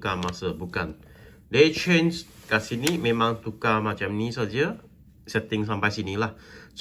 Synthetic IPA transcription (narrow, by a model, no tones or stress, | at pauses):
kamasəbukan | det͡ʃenskasinimemãŋt̪ukamat͡ʃamnisad͡ʒə | sɛt̪ɪŋs̬ampajsinilahs